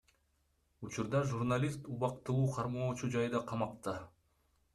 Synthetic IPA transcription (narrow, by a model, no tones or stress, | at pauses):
ut͡ʃuɾd̪ɑʒurnalʲist̪uβɑqt̪ɯlˠuːqʰɑɾmo̞ːt͡ʃud͡ʒɑjd̪ɑqʰɑmɑqt̪ɯ